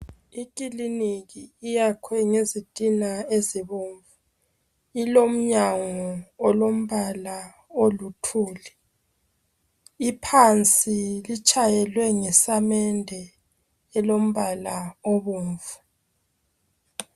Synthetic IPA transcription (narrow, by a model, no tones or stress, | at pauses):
ik̬ʼiliniɣiːjakʰwɛŋezitʼinaeziβoːɱvu | ilom̩ɲaŋɔːlom̩βala | olutʰuːlɛ | ipʰant͡sʼilit͡ʃʼajɛlwɛŋɛsamɛndʱɛː | lom̩βalaoβuːɱvu